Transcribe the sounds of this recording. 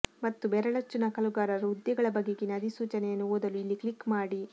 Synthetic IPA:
mɐt̪ːubɛɾɐɭɐt͡ʃːunɐkɐluɡaːɾɐɾud̪jɐɡɐɭɐbɐɡːeɡinɐd̪isuːt͡ʃɐnejɐnːuʋoːd̪ɐluilːikɭikːmaːɽi

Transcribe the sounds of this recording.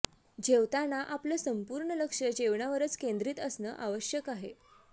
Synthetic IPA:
d͡ʑeʋt̪anaʔapləsəmpuːɾɳələkʂəd͡ʑeʋɳaʋəɾət͡skend̪ɾiːt̪əsnə̰ːʔaʋəɕjəkaɦe

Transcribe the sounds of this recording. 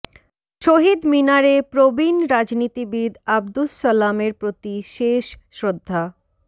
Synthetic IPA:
ʃoɦid̪minaɾepɾobinɾad͡ʑnit̪ibid̪abd̪usːalameɾpɾot̪iʃeʃʃɾod̪ʱːa

